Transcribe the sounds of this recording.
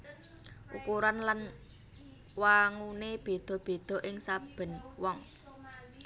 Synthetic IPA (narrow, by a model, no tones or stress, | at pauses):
ʔṵkuɾanlan | waŋuneb̥e̤d̪̥ɔ̤b̥e̤d̪̥ɔ̤ʔɪŋsab̥ə̤nwɔŋ